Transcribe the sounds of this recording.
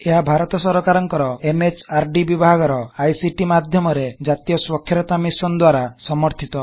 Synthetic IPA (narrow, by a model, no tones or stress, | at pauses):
eɦabʱaɾɔt̪ɔsɔɾɔkaɾɔŋkɔɾɔemet͡ʃaɾɖibibʱaɡɔɾɔajsiʈimad̪ʱjɔmɔɾed͡ʒat̪ijɔswɔkʰjɔɾɔt̪amisɔnd̪waɾasɔmɔɾt̪ʰit̪ɔ